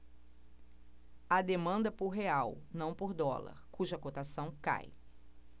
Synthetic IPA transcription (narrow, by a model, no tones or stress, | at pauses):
ɐd̪emɐ̃nd̪ɐpʊɾɦeawnɐ̃w̃poɾd̪ɔ̰lɐ̰ɾkuʒɐkot̪asɐ̃w̃ka̰j